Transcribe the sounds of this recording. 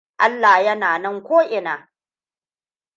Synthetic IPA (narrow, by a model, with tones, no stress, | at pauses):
ʔa˦lːaː˨hjɐ˦naː˨nɐ˦ŋkʷoː˦ʔɪ˨naː˨